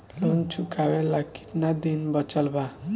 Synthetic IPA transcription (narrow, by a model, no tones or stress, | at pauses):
lont͡ʃʰukawelakʰi̥t̪nad̪inbʌt͡ʃʌlba